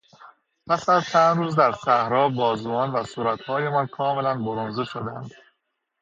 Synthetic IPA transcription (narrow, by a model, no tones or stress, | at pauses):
pʰæsæzt͡ʃʰænd̪ɾuːzd̪æɾsæhɾɒːbɒːzuːɒːnvæsuːɾæt̪hɒːje̞mɒnkʰɒːme̞lænboɾonzeʃod̪ænd̪